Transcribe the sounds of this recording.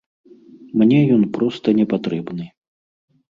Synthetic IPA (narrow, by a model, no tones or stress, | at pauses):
mnʲɛjɔnpɾɔst̪ɐnʲɛpat̪ɾɛbnɨ